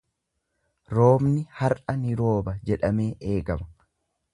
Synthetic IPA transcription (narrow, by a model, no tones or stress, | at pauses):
ɾo̞ːmnɪhɐɾʔɐnɪɾo̞ːbɐd͡ʒɛᶑɐme̞ːʔe̞ːɡɐmɐ